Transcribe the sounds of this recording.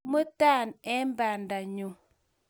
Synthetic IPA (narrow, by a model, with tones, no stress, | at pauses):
mə˦ta˦˨nɛ˦m̩˦ba˨n˨da˨ɲu˨